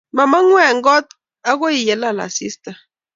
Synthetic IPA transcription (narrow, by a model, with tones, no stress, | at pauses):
ma˨ma˦ŋwɛ˦˨ŋɡɔ˦t̪ | a˦ɣo˦i˨jɛ˨˦la˦˨la̰˨si˦sta˨